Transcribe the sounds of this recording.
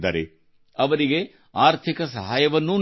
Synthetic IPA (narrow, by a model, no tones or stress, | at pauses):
d̪aːɾe | ɐʋɐɾiɡe | aːɾt̪ʰikɐsɐ̰ɦaːjɐʋɐnːun